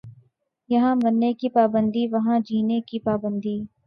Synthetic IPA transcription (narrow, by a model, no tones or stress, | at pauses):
jɐɦãbɐnːekipaːbə̃nd̪ʱiʋɐɦãd͡ʒiːnekipaːbə̃nd̪ʱiː